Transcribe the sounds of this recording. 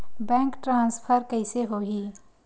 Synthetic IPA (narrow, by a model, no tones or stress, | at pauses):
bɛ̃ːŋkʈɾãːnspʰəɾkəɪseɦoɦiː